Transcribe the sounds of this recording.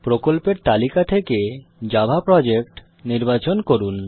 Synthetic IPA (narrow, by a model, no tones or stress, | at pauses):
pɾokolpeɾt̪alikat̪ʰeked͡ʑabʱapɾɔd͡ʑekʈ | niɾbat͡ɕonkoɾun